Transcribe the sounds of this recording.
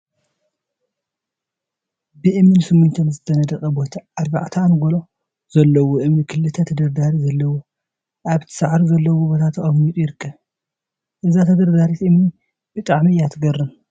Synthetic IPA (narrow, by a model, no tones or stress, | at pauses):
bɨʔɨmnɨnsɨmːunt̪ʰomzɨt̪ʰːɐnɐd̪ɐkʼɐbo̞t̪ʰɐad̪ba̰ʕt̪ʰanɡolo̞ | zɐlːɐwoʔɨmnikʰɨlːɨt̪ʰɐt̪ʰɐd̪ɐɾd̪aɾizɐlːɐwo | ʔaβt̪ʰɨ̥saʕɾizɐlːɐwobo̞t̪ʰat̪ʰːɨχʼɐmmit̪ʼujɪɾɨkʰːɐβ | ʔɨzat̪ʰɐd̪ɐɾd̪aɾit̪ʔɨmni | b̥ɨt̪ʼaʕmijat̪ʰɨɡɐrɨn